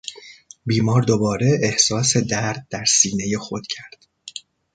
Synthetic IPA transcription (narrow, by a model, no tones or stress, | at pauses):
biːmɒːɾd̪o̞bɒːɾe̞ehsɒːse̞d̪æɾd̪̚dːæɾsiːne̞je̞xo̞d̪̥cʰæɾd̪̥